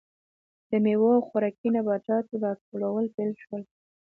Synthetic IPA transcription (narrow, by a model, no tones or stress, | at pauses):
d̪̥əmewoawxaɾɑkinabat͡ʃɑt̪od̪ɑstolawəlpelʃwəl